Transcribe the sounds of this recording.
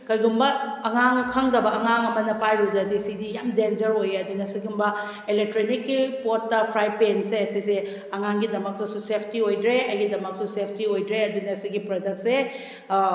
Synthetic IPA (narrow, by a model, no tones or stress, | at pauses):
kɐjɡumbɐɐŋaŋkʰɐŋdɐbɐɐŋaŋɐmɐnɐpajɾudɐdisidijamdend͡ʒɐɾojɐdunɐsiɡumbɐ | elek̚tɾonikːipotːɐpʰɾajpenseɐsise | ɐŋaŋɡidɐmɐk̚tɐsusepʰtiojdɾeɐjɡidɐmɐk̚susepʰtiojdɾeɐdunɐːsiɡipɾodɐk̚t̚se